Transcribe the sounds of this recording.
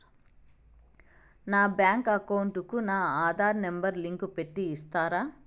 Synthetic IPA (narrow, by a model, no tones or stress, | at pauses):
naːbjaːŋkɐkɐwuɳʈukunaːaːd̪ʱaːɾnembɐɾliŋkupe̞ʈːiːst̪aːɾaː